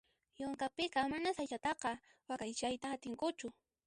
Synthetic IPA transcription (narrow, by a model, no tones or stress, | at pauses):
joŋkapɪqɑmanasajt͡ʃat̪ɑqɑ | wakajt͡ʃajt̪aːt̪ɪŋkʊt͡ʃʊ